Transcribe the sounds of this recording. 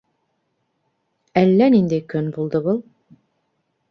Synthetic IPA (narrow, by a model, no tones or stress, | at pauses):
ælːænind̪ɘkɵnbulˠd̪ɤbɤlˠ